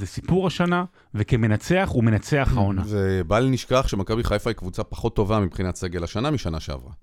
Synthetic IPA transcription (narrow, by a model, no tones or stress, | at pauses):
zesipuʁaʃana | veke̞me̞nat͡se̞aχume̞nat͡se̞aχao̞naavebalniʃkaχʃemakabiχajfaikvut͡sapḁχo̞t̪ːo̞vamipχinatse̞ɡe̞laʃanamiʃanaʃea̰vʁa̰